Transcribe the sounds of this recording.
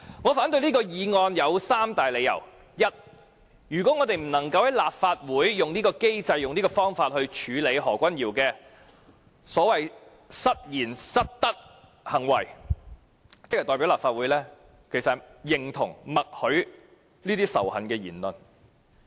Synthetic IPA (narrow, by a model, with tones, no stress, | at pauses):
ŋɔː˨˧faː˨˥nt̪ɵ˧ɥniː˥kɔː˧jiː˨˧ŋɔː˧njɐ˨˧wsaː˥mt̪aː˨jle˨˧jɐ̰˨˩w | jɐ˥t̚ | jyː˨kɔ˨˥ŋɔː˨˧t̪e˨jm̩˨˩nɐ˨˩ŋkɐ˧whɐ˨˥jlaː˨p̚faː˧t̚wuː˨˥jːʊ˨ŋniː˥kɔː˧ke˥jt͡sɐ˧jjʊ˨ŋniː˥kɔː˧fɔː˥ŋfaː˧t̚hɵ˧ɥt͡ʃʰyː˨˧le˨˧jɦɔː˨˩kʷɐ˥njiː˨˩wkɛː˧ | sɔː˨˥wɐ˨j | sɐ˥t̚jiː˨˩nsɐ˥t̚t̪ɐ˥k̚ | hɐ˨˩ŋwɐ̰˨˩j | t͡sɪ˥k̚ɐ˨˩t̪ɔː˨˧pi˨˥wlaː˨pfaː˧t̚wuː˨˥jlɛː˥ | kʰe˨˩jsɐ˨jɪ˨ŋt̪ʰʊ˨˩ŋmɐ˨k̚hɵ˨˥ɥ | liː˥t̪iː˥sɐ̰˨˩whɐ˨nkɛː˧jiː˨˩nlɵ˨n